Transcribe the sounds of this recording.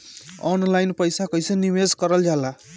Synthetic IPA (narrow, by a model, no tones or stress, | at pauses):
ɔnlajnpʌjsakʌjseniweskʌɾəld͡ʒala